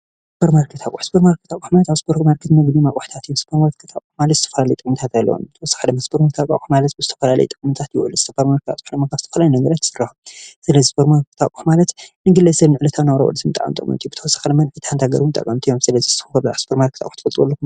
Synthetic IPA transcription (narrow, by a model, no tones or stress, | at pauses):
ssbʰoɾmaɾkʰɨt̪ʰakʼuħsbɨɾmaɾkɨt̪akʼːħmalt̪aspʰoɾmaɾkʰɨt̪nɐɡnimaʔʼuħt̪ʰat̪jospʰoɾmaɾkʰɨt̪ʰakʼːuħmalɐt̪zɨt̪ʰɐfɐlalɐjt̪ʼkʼmɨt̪ʰat̪alːɐ̰wo̰mbɨt̪ʰɐwɔsːḁxalɐmɐsbɨɾmat̪ʰakʼa̰ʔʼuħmalɐt̪̚bɨzɨt̪ʰɐfɐlalɐ̰jt̪ʼɨkʼmut̪ʰat̪juwʔɨ̰lɨzɨ̥t̪ʰɐfɐɾmaɾkʰt̪ʰa̰t̪ʼħlɐmːakavzɨt̪ʰɐfɐlajnɐɡɐɾat̪ɨ̥sɨɾɐħumsɨlɐzispʰoɾmaɾkʰɨ̥t̪akʼːuħmalɐt̪nɨɡɨlːɐsɐlnɨʕlɐt̪ʰawnɐwɾɐ̰ʔo̰lɨzɨmɨt̪ʼaʕwṵnt̪ʼɨkʼmɐ̰t̪ijubɨt̪ʰɐwɔsːḁxlɐmɐnʕit̪ʰant̪ʰaɡɐ̰ɾunt̪ʼɐ̰kʼːɐmt̪ʰijomsɨlɐziz̥t̪ɨfɐlspʰoɾmaɾkʰɨt̪ʰa̰ʔʼuħt̪ʰɨfɐt̪ʼɾɨwolːɐku